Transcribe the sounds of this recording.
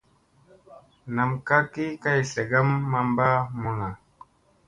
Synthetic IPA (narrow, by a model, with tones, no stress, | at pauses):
na˨mka˦ki˦ka˦jse˨ɡa˦mːa˨˧mba˦mu˨na˨